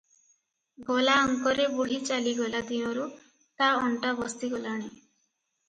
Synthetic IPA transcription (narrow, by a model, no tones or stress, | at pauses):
ɡɔlaɔŋkɔɾebuɦit͡ʃaliɡɔlad̪inɔɾu | t̪aɔɳʈabɔst̪iɡɔlaɽ̃e